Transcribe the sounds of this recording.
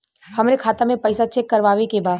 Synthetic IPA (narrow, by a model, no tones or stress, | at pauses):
hɐmɾekʰaːt̪amẽpɐɪsat͡ʃɛkːɐɾʋaːʋekebaː